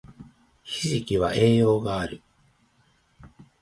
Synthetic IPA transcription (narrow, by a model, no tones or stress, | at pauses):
çiʑikʲiβa̰ʔe̞ːjo̞ːɡaːɾɯ̟